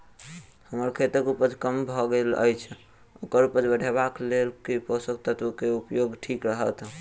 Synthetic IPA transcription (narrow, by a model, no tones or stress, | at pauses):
həməɾkʰet̪əkupəd͡ʒkəmbʱɔɡelə̰jt͡ʃʰ | okəɾupəd͡ʒbəɽʱebaklelkepɔsəkt̪ət̪ʋəkeupjoɡʈʰikɾəɦət̪